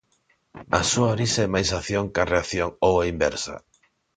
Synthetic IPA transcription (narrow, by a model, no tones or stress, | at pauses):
a̰suaoɾisaɛmajsaθjoŋkareaθjoŋowaimbɛɾsa̰